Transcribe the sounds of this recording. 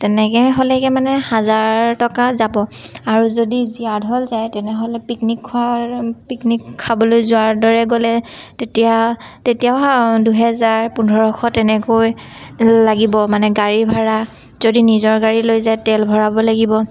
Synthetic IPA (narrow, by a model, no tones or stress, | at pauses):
tɛnɛkɛɦolɛkɛmanɛhazaɹɹtɔkazabɔaɹuzodiziadʱɦɔlzajtɛnɛɦolɛpiknikʰːuapiknikʰːabɔlojzʊaɹdɔɹɛɡolɛtetija | tetijaaduɦɛzaɹpundʱɔɹɔxʰɔtɛnɛkoj | laɡibɔmanɛɡaɹibʱaɹa | zodinizɔɹɡaɹilojzajtɛlbʱɔɹabɔlaɡibɔ